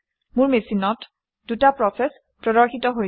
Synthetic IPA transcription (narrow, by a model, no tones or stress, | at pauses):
mʊɹmesinɔt | d̥utapɹɔsɛs | pɹɔdɔɹxitɔɦo